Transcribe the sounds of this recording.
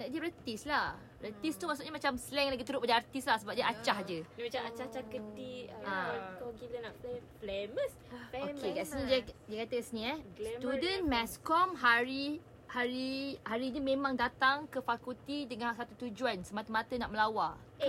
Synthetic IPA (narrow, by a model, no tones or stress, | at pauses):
daʔd͡ʒəɾət̪islah | rət̪ist̪umasuʔɲaəmat͡ʃamsəlɛŋlaɡit̪əɾuʔpadaart̪islahsəbap̚ɲaat͡ʃahd͡ʒənimat͡ʃamat͡ʃat͡ʃahkədiainapfleməs | okeɡasnidiakat̪əkasəniɛst̪udənmɛskɔmɦaɾi | haɾihaɾinimẽmãŋdat̪aŋkəfakult̪idəŋãnsat̪ut̪ud͡ʒuansəmat̪əmat̪ənaʔməlawak